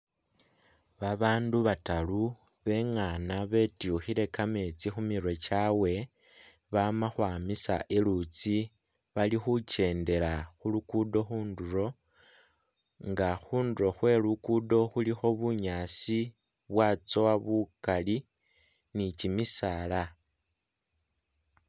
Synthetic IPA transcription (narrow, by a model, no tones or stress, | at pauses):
βaβaːnduβatalu | βe̞ŋanaβe̞tiuxile̞kame̞t͡sixumiɾwe̞t͡ʃawe̞ | βamaxwaːmisa̰ʔelut͡si | βalixut͡ʃe̞ːnde̞laxulukudo̞xuːnduɾo̞ | ŋɡaxuːnduɾo̞xwe̞lukudo̞xulixo̞βuɲaːsi | βwat͡so̞waβukali | nit͡ʃimisala